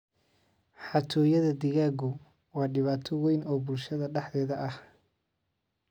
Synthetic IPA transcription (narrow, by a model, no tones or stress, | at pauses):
ħɑt̪ʰɔːjɐðɐd̪ɪɣaːɡʊ | wɑːɖɪβaːt̪ʰɔwɛjnɔːbʊlʃɐðɐɖɑħd̪ɛːðɐʔɐh